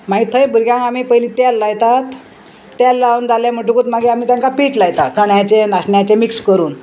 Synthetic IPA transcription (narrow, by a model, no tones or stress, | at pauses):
mait̪ʰəjbuɾɡjãŋɡamiːpəjlit̪alːajt̪at̪ː | alːaund͡zaljam̤əʈ̬ukuːt̪maɡiam̤iːt̪jãŋkapiːʈlajt̪at̪t͡səɳjat͡ɕenaʂɳjat͡ɕemikskəɾuːn